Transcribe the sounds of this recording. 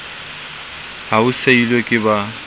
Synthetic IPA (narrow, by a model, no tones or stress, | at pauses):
ɦauseilekʼɪba